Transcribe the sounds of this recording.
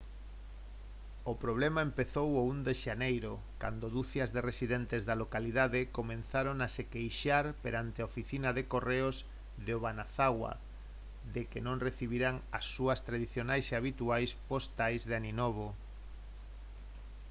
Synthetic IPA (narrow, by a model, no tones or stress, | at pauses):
opɾoβ̞lɛmaempeθowound̪eʃanejɾo | kand̪oðuθjɐzðeresiðent̪ezðalokaliðaðekomẽnθaɾoŋasekejʃaɾpeɾant̪eaofiθinaðekoreoz | ðeoβanaθaɣwa̰ | ðekenõŋreθiβiɾaŋasːuɐst̪ɾaðiθjonajseaβit̪uajspost̪ajzðeaninoβ̞o